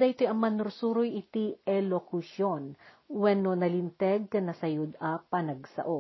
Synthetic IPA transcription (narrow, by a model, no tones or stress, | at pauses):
d̪ɐʔɪt̪ojʔɐŋmɐnʊɾsuːɾojʔɪt̪iʔɛlokʊʃon | wɛnonɐlɪnt̪ɛɡ̚kɐnɐsɐjod̪ɐpɐnɐɡsɐ̰ʔo